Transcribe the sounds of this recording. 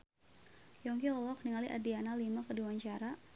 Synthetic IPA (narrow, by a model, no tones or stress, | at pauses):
jɔŋkiɔlɔk̚niŋaliʔa̰dianalimakədiwaɲt͡ʃaɾa